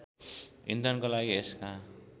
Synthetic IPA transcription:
ḭnd̪ʱʌnkolaɡieska

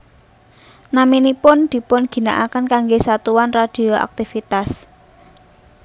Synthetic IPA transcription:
naminipʊnd̪̥i̤pʊnɡ̥i̤naʔakənkaŋɡesat̪uwanrad̪̥i̤oʔa̰k̚t̪ifit̪as

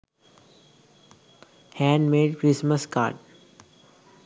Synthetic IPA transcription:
hæ̃ːɳɖmeːɖkɾisməska̰ːɾɖ

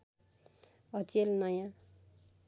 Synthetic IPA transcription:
ɦʌt͡selnʌjã

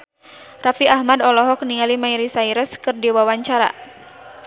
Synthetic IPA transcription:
rafiʔahmadɔlɔɦɔk̚niŋalimaiɾisaiɾəskɨrdiwawaɲt͡ʃaɾa̰

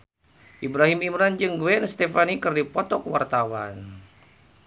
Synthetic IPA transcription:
ʔibɾaɦimimɾand͡ʒɨŋɡwɛnst̪ɛfanikɨrdipɔt̪ɔkwa̰rt̪awa̰n

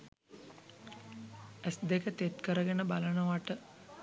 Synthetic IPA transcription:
æsd̪ekət̪et̪kəɾəɡenəbalənəʋaʈə

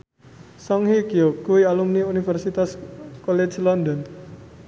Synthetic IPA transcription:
sɔŋhikiɔkuialumniunifɛrsit̪askɔlet͡ʃlɔnd̪ɔn

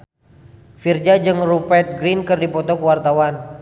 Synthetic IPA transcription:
fird͡ʒad͡ʒɨŋrupɛt̪̚ɡɾinkɨrdipɔt̪ɔkuwart̪awan

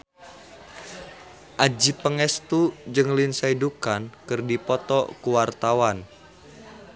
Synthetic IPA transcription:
ʔad͡ʒipəŋɛst̪ud͡ʒɨŋlinsaidukankɨrdipɔt̪ɔkuwart̪awan

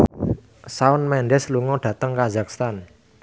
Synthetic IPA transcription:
saʊnmɛnɖɛsluŋɔdɖ̥ä̤t̪əŋkazakst̪an

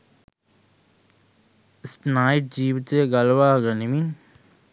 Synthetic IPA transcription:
snaːiʈ̚d͡ʒiːʋit̪əjəɡɐlʋaːɡənimin

